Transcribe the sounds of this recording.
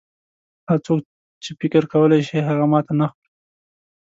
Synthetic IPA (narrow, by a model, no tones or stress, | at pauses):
haɾt͡sok̚ | t͡ʃefɪkɪɾkawəlajʃiɦaɣamɑt̪anaxaɾi